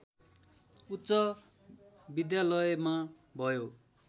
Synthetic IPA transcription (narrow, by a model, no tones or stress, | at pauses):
ut̪ːsʌ | bid̪jalʌjma | bʱʌjo